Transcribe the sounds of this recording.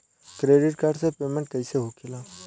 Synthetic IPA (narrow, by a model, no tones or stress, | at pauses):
kɾeːɖɪʈkaːɾɖsepeːmẽɳʈ̚kɐɪseɦokʰɪlaː